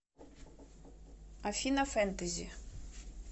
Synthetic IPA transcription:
afinafant̪azi

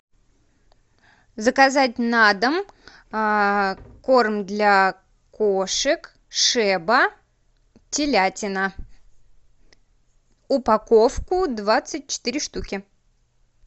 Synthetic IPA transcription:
zəkɐzatʲnad̪əm | ko̞rmd̪lʲa | koʂɨk | ʂɛbə | tʲɪlʲatʲɪnə | ʊpɐko̞fkʊd̪vat̪sɨt̚ʲt͡ɕɪ̥t̪iɾʲɪʂt̪ukʲɪ

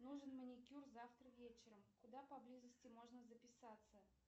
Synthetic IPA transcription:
nuʐɨnmənʲɪkʲurzaft̪ɾəvʲet͡ɕɪɾəmkʊd̪apɐblʲizəsʲtʲɪmo̞ʐnəzəpʲɪsat̪sə

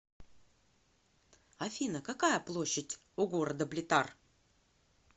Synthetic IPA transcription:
ɐfʲinəkakajəplˠo̞ɕːɪtʲ | ʊɡo̞ɾəd̪əblʲɪt̪ar

